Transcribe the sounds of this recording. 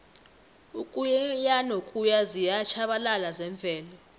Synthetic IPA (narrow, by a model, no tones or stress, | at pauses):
ukʼujɛjanokʼujazijat͡ʃʰaɓalalazɛɱb̪vʱɛːlɔ